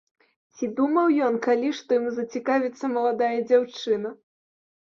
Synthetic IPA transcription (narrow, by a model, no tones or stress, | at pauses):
t͡sʲid̪umɐwjɔnkalʲiʂt̪ɔjimuzɐt͡sʲikavʲit̪sːɐmɐlˠad̪ajɐd͡zʲawt͡ʂɨnɐ